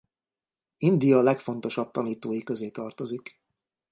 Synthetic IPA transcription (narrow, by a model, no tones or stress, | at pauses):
ind̪ijɒlɛkfo̞n̪t̪o̞ʃɒp̚t̪ɒniːt̪oːjikø̞zeːt̪ɒrt̪o̞zik